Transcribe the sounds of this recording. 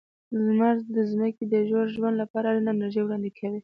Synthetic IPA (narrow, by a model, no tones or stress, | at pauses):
zmaɾd̪əzməkid̪əʒoɾʒwand̪lapɑɾaɾinamaʒewɽɑnd̪ekʰawi